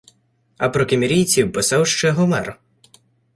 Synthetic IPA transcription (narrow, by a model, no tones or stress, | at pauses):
ɐpɾɔkemʲiɾʲijt͡sʲiwpɪsawʃt͡ʃɛɦɔmɛr